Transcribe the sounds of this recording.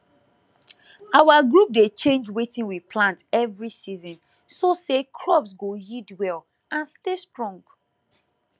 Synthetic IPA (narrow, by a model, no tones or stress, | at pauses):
awaɡɹup̚det͡ʃẽnd͡ʒwetĩŋwipʰlãntɛvɹisizɔ̃n | sosekʰɹɔbsɡojidwɛl | ãnstestɹɔ̃ŋɡ